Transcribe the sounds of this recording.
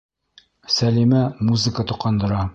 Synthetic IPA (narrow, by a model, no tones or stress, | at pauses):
sælimæmuzɨkət̪ŭqːɑnd̪ɤ̆ɾɑ